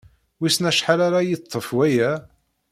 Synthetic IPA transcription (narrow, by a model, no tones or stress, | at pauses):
wisnæʃħalaɾajət̪ˤʰːəfwæjæ